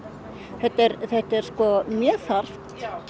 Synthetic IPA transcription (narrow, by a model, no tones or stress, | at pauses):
θɛht̪ːɛɾθɛht̪ɛɾ̥skɔmjɛːθaɾ̥